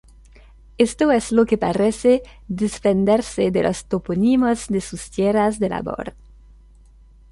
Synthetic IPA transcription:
est̪oezlokepaɾesed̪esfend̪eɾsed̪elo̰st̪oponimozd̪esust̪jerazðela̰bo̰ɾ

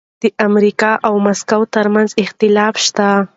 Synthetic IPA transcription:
d̪̥əʔamɾikɑʔawmaskawt̪əɾmanzɪxt̪ɪlɑfʃt̪a

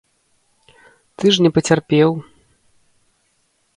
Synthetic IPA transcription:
t̪ɨʐnʲɛpɐt͡sʲarpʲɛw

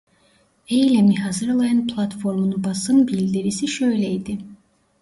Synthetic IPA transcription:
ejlʲemiɦazɯɾalˠajɯnpʰlˠat̪fo̞ɾmunubasɯnbilʲd̪iɾisiʃø̞jlʲejd̪i

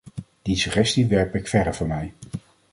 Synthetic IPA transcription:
d̥isyχɛstiʋɛɹpɪkfɛdəvʊɹmɛj

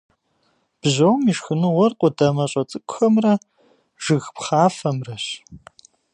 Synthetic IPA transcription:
b̥ʑɐwmiʃxɨnɨʁʷɔrqʷʼʊdɐmɐɕʼɐt͡sʼɨkʷʼʊxɐmrɐ | ʒ̥ɨɣpχaːfɐmrɐɕ

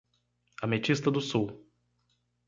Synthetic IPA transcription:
amet͡ʃist̪ɐd̪ʊsuw

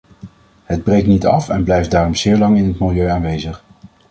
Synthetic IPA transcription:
ɦəd̚brejk̚nitɑ̰fɛnblɛjft̚daːrɔmz̥ɪːɹlɑŋɪnɦətmɪlˠjøɥaːnʋejzəχ

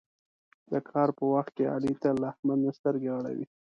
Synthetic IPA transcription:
d̪əkʰɑɾpəwaxt̪̚kea̰lit̪alahmad̪nast̪əɾɡewɽa̰wḭ

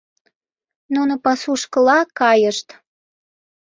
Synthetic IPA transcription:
nunopɑsuʃkəlɑkɑjəʃt̪

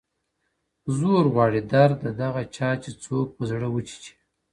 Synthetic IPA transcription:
zoɾɣwɑːɽid̪aɾd̪əd̪aɣat͡ʃɑt͡ʃet͡sok̚pəzɽəwət͡ʃi̥t͡ʃi̥

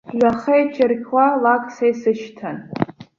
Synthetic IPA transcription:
ʒʷaχejt͡ʃʰɪrkʲʰwalakʷʼʰsejsɨʃtʰan

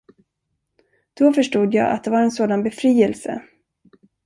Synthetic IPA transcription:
d̪̥ɔfœʂʈuːd̪ja̰ːʔa̰t̪̚d̪ɛvaɾɛnsoːd̪anbɛfɾiːɛlsə̰

